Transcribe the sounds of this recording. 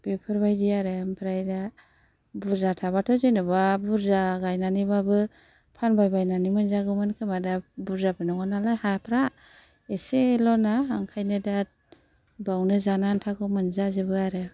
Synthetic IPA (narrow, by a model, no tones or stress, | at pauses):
b̥epʰɯɾbajdiaɾeampʰɾajda | buɾzatʰaβatʰɔzenɯbabuɾzaɡajnanibabɯ | pʰanbajbajnanimɯnzaɡɯwmɯnkʰɯmadabuɾzabɯnɔŋanalajhapʰɾa | eselɔnaːŋkʰajnɯda | bawnɯzanantʰaɡɯwmɯnzazɯbɯaɾɯ